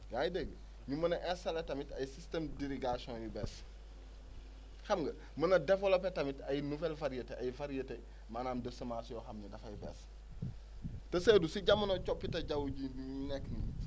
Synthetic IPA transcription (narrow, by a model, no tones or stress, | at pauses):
ɡaːjideɡ | ɲumɐnɐʔɛsɐletɐmitɐjsistemdiɾiɡasɔ̃njubɛs | xɐmɡɐ | mɐnɐdefolopːetɐmitɐjnuvɛlfɐɾijɐteʔɐjfaɾijɐte | maːnaːmdəsɐmasjɔxɐmnidɐfɐjibɛ̰s | tɐsedusiɟamːɐnot͡ʃɔpːitɐɟɐwuɟidiinɛkːni